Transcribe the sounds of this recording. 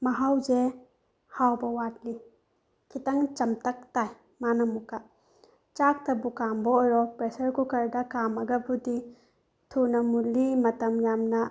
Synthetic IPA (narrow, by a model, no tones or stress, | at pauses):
mɐɦawze | hawbɐwat̚li | kʰitaŋt͡ʃɐmtɐk̚taj | manɐmuka | t͡ʃak̚tɐbukambɔːjɾɔpɾesɐɾkukɐɾdɐkamɐɡɐbudi | tʰunɐmulimɐtɐmjamnɐ